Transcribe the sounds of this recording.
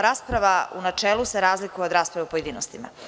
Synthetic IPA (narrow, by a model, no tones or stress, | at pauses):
ɾaːspɾaʋaunat͡ʂeːlˠuseɾaːzlikujeo̞d̪ɾaːspɾaʋeupo̞je̞d̪iːnost̪ima̰